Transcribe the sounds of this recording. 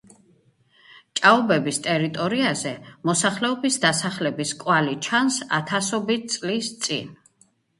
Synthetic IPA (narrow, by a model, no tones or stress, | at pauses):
t͡ʃʼaɔbɛbist̪ʼɛɾit̪ʼɔɾiazɛmɔsaχlɛɔbisd̪asaχlɛbiskʼwalit͡ʃʰansa̰t̪ʰasɔbit̪sʼlist̪sʼḭn